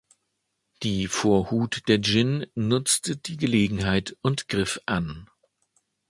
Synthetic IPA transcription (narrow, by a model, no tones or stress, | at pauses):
d̥iːfoːɐhuːtd̥eːɐd͡ʒɪnnʊt͡stəd̥iːɡəleːɡŋ̩ɦaɪtʊntɡ̥ʁɪfʔan